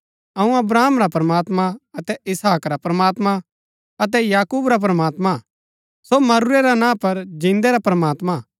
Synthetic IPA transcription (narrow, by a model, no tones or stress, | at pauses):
ɐũɐbɾaːmɾapɾɐmaːt̪maɐt̪ɛɪsaːkɾapɾɐmaːt̪ma | ɐt̪̬ɛjaːkuːbɾap̬ɾɐmaːt̪ma | somɐɾuɾeɾanãːpɐɾd͡ʒĩːnd̪eɾapɾɐmaːt̪ma